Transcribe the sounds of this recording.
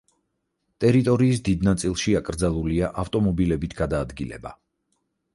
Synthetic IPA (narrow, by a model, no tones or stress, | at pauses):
t̪ʼɛɾit̪ʼɔɾiːs̬d̪id̪nat̪sʼilˠʃiakʼɾd̪zalˠuliaʔaft̪ʼɔmɔbilɛbit̪ʰɡ̥ad̪aːd̪ɡilɛ̰ba